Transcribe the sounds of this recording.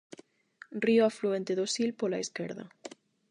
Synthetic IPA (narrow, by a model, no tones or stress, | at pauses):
rioafluent̪eðosilpolaeskeɾðɐ̰